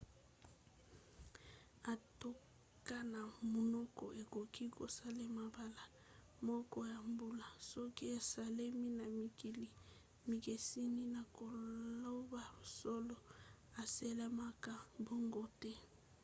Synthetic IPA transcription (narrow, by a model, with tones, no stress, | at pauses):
a˨to˦ | ka˦na˨mo˨nɔ˦kɔ˨ʔe˨ko˨ki˦ko˨sa˦le˦ma˨ba˦la˨ | mɔ˦kɔ˦ja˨mbu˦la˨sɔ˦ki˦e˨sa˨le˦mi˦na˨mi˨ki˨li˨ | mi˨ke˨si˦ni˦na˨ko˨lo˦ba˦˨sɔ˦lɔ˨ | a˨se˦le˦ma˦ka˦bo˦ŋɡo˦tɛ˦